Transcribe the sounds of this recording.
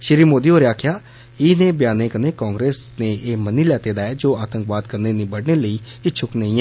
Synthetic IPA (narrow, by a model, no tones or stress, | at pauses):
ʃɪɾiːmoːd̪iːoːɾeaːkʰɪjaː | ɪneːbjaːnẽːkəneːkãːŋɡɾeːsneːʔeːməniːlɛːt̪eːd̪aːɛːd͡ʒoːaːt̪əŋkʋaːd̪kəɾneːnĩːbəɽneːləiːɪt͡ʃʰʊkneĩːɛː